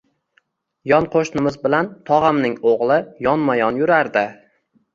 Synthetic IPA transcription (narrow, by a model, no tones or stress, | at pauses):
jɒnqʰoʃnɪmɪzbɪlant̪ʰɒʁamnɪŋoʁlˠɪjɒnmajɒnjʊɾaɾd̪ɪ